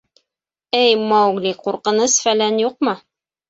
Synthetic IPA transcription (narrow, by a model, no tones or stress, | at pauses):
ɘjmɑwɡliquɾqɤ̆nɤsfælænjuq̚mɤ